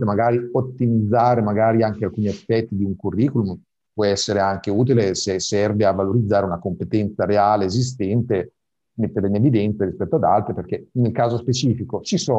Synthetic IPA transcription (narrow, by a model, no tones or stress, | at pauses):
emaɡaːɾiot̪ːimid̪zːaːɾemaɡaːɾiaŋk̟ealkuːniefpɛt̪ːid̪iuŋkurːiːkulum | pwɔɛsːeɾeaŋkeuːt̪̬ilesesɛrveavːaloɾid̪zːaːɾeunakompet̪ɛnt̪saɾeaːleːzis̬t̪ɛnt̪e | met̪ːeɾeinevid̪ɛnt̪saɾispɛt̪ːoad̪a̰lt̪ɾeperkenelkaːzospet͡ʃiːfikot͡ʃisɔ